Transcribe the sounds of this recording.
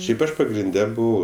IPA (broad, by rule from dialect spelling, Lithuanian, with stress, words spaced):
ˈʃʲɛɪp ˈɐʃ pɐɡrʲɪnʲˈdʲɛ ˈbʊʋɐʊ